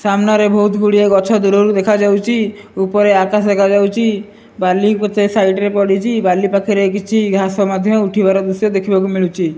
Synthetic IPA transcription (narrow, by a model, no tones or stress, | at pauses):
samnaɾebʱɔut̪ʰɡuɽieɡɔt͡ʃʰɔd̪uɽɔɾud̪ekʰad͡ʒawt͡ʃʰiupɔɾeakasd̪ekʰad͡ʒawt͡ʃʰi | balikɔt̪esajʈɾepɔɽit͡ʃʰibalipakʰiɾekit͡ʃʰiɡʱɾasɔmad̪ʱjɔuʈʰibaɾɔd̪usjɔd̪ekʰibakumiɭut͡ʃʰi